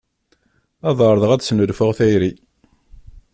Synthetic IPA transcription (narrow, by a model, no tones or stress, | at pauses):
ɑðˤəɾˤðˤəʁæd̪snəlfʊʁθæjɾi